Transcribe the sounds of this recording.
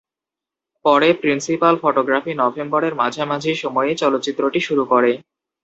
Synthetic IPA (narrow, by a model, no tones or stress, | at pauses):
pɔɾepɾinsipalfoʈoɡɾafinɔbʱembɔɾeɾmad͡ʑʱamad͡ʑʱiʃɔmɔet͡ɕɔlot̪ːɕit̪ːɾoʈiʃuɾukoɾe